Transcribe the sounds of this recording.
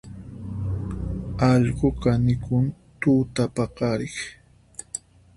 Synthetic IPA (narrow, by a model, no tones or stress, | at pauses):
ɑʎɢoqɑnɪkʊn | t̪uːt̪apɑqɑɾɪχ